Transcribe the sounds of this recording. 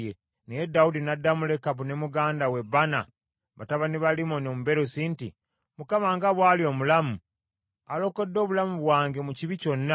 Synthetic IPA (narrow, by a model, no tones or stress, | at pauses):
je | needːaudinadːamule̞kaβune̞muɡaːndawe̞bːana̰ | βataβaniβalimonomuβe̞ɾosinti | mukamaŋɡaβwaːlio̞ːmulamu | alo̞ko̞dːo̞ːβulamuβwaːŋɡe̞muciβico̞nːa